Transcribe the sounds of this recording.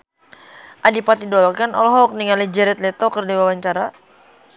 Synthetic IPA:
ʔadipat̪idɔlɔkanɔlɦɔk̚niŋalid͡ʒɛɾɛt̪lɛt̪ɔkərdiwawaɲt͡ʃaɾa

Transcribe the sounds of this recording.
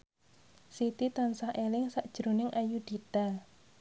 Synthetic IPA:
sit̪it̪ansahelɪŋsaʔd̥ʒ̥ɾo̤nɪŋʔajud̪̥i̤d̪̥a̤l

